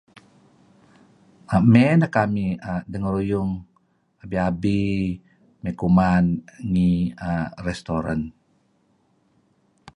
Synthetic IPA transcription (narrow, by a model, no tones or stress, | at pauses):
ʔamɛnakamiadəŋɾujʊŋ | abiabi | majkumanŋiaɾɛst̪oɾa̰n